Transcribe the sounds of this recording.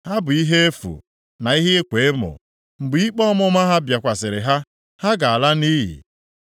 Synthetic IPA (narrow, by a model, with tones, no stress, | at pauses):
ha˦bʊ˨i˦ɦe˦e˦fṵ˨ | na˨i˦ɦe˦e˦kʷe˨e˦mʊ̰˨ | ŋ͡m̩˨ɡ͡bi˦k͡pɔ˦mɔ˦ma˦ɦa˦bja˨kʷa˨sɪ˨ɾɪ˨ɦa˦ | ha˦ɡa˨a˨la˦ni˦ɦḭ˨